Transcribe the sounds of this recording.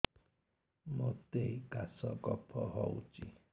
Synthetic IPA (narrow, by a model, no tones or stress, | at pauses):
mot̪eiɡasɔɡɔpʰɔɦɔut͡ʃi